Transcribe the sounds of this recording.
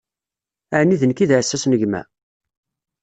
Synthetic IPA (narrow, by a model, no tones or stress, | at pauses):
æʕnːiðənkiðʕsːæsnəʝmæ̰